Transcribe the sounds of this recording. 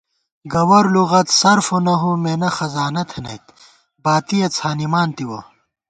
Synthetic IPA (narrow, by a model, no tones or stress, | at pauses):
ɡɐwɐɾluɣɐt̪sɐɾfonɐɦomeːnɐxɐzaːnɐt̪ʰɐnɐ̰jt̪ | baːt̪ijɐt͡sʰaːnimaːnt̪iwɐ̰